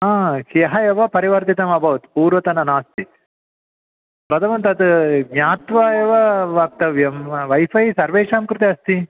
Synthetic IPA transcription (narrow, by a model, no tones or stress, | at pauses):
akiɐɦɐjeʋɐpɐɾiʋɐɾt̪it̪ɐmɐbʱɐʋɐt̪puːɾʋɐt̪ɐnɐnaːst̪it | pɾɐd̪ʱɐmɐnt̪ɐt̪ɡɲaːt̪ʋajeʋɐʋɐk̚t̪ɐʋjɐmʋɐjfɐisɐɾʋeːʂaːmkɾɪt̪iɐst̪i